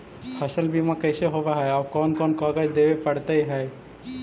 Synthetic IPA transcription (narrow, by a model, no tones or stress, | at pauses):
pʰəsəlbʱimãkəɪseɦobaɦɛaːkɔːnkɔːnkɔɡət͡ʃd̪ebepəɽt̪əiɦɛj